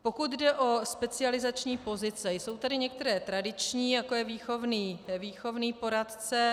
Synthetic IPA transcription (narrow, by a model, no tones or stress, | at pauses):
po̞kut̪dɛʔo̞spɛt͡sɪalɪzat͡ʃɲiːpo̞zɪt͡sɛjso̞wt̪adɪɲɛk̚t̪ɛɾɛːt̪ɾadɪt͡ʃɲiːjako̞jɛviːxo̞vniːviːxo̞vniːpo̞ɾat̪t͡sɛ